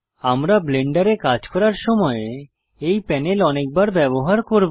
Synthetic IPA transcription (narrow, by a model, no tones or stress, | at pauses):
amɾableɳɖaɾekad͡ʑkɔɾaɾʃɔmɔe | ejpɛnelɔnek̚baɾbɛboɦaɾkoɾb